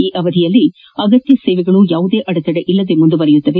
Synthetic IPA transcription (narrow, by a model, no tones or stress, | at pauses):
iːʔɐʋɐd̪ʱijɐlːi | ɐɡɐt̪jɐseːʋɛɡɐɭujaːʋud̪eːʔɐɽɐt̪ɐɽeʔilːɐd̪e̞mund̪ubɐɾɛjut̪ːɐʋe